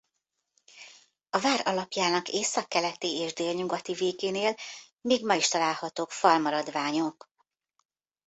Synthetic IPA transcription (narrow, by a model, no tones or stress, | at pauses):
ɒvaːɾɒlɒpjaːnɒkeːsɒkːɛlɛt̪ieːʒd̪eːlɲuɡɒt̪iveːɡeːneːl | miːɡmɒiʃt̪ɒlaːlhɒt̪oːkfɒlmɒɾɒd̪vaːɲo̞k